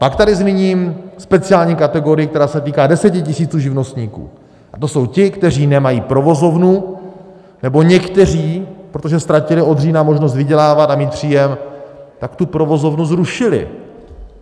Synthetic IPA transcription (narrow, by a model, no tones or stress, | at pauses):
pakt̪adɪzmiɲiːmspɛt͡sɪaːlɲiːkat̪ɛɡo̞ɾɪjikt̪ɛɾaːsɛt̪iːkaːdɛsɛcɪcɪsiːt͡suːʒɪvno̞st̪ɲiːkṵː | ʔat̪o̞so̞wcɪkt̪ɛr̝iːnɛmajiːpɾo̞vo̞zo̞vnu | nɛbo̞ɲɛkt̪ɛr̝iːpɾot̪o̞ʒɛst̪ɾacɪlɪo̞d̪riːnamo̞ʒnos̬t̪vɪɟɛlaːvat̪amiːt̪̚pr̝̥iːjɛmt̪akt̪upɾo̞vo̞zo̞vnuzɾuʃɪlɪ̰